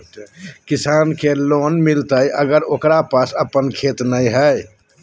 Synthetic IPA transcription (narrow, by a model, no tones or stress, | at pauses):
kisankelonmilt̪əjʔəɡəɾoːkɾapasəpənkʰet̪nəjɦəj